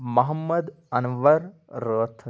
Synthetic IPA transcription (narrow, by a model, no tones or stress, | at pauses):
mɐɦɐmːɐd̪ | ɐnɐʋɐɾ | ɾot̪ʰː